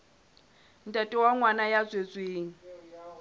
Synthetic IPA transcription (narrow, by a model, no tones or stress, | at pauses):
n̩tʼatʼɪwaŋwanajat͡sʼwet͡sʼweːŋ̩